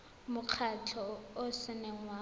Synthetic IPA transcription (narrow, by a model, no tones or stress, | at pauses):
mʊq͡χʰatʰɔʊsɪnɛŋwa